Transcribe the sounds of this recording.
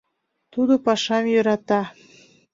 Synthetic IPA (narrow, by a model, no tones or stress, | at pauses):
t̪ud̪opɑʃɑmjøɾɑt̪ɑ